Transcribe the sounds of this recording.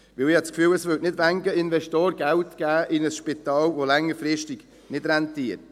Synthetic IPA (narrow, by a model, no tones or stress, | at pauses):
ʋɪlɪhɑt͡skfyːləsvʏtnɪdʋæŋɡəɪnvɛʃtoːɾɡæltɡ̥æːʔɪnəsʃpɪt̪ɑːlvolɛŋːəɾfɾɪʃtiɡ̥ | nɪd̥ɾɛntiəɾt